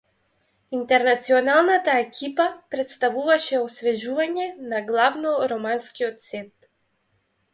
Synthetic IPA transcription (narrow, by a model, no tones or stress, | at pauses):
int̪ɛɾnat̪siɔnalˠnat̪aɛkʲʰipapɾɛt̪st̪avuvaʃɛɔsvɛʒuvaɲɛnaɡlˠavnɔɾɔmanskiɔt̪sɛt̪